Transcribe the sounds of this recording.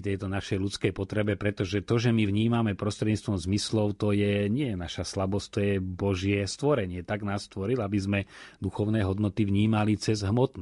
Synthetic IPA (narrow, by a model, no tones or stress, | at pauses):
t̪ɛjt̪ɔnaʃɛjlut͡skɛjpɔt̪ɾɛbɛpɾɛt̪ɔʒɛt̪ɔʒɛmivɲiːmamɛpɾɔst̪ɾɛd̪ɲiːt͡st̪ʋɔmzmislɔʊt̪ɔjɛɲɪɛjɛnaʃaslabɔst̪ɔjɛbɔʒɪɛst̪ʋɔɾɛɲɪɛt̪aɡnaːsːt̪ʋɔɾilabizmɛd̪uxɔʊnɛːɦɔd̪nɔt̪ivɲiːmalit͡sɛzɦmɔt̪n